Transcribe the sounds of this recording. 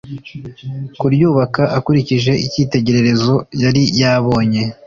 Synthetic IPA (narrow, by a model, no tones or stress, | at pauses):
kuɾjuːβakaʔakuɾiciʒe̞ʔiciːte̞ɟe̞ɾe̞ɾe̞zo̞jaɾijaβo̞ːɲe̞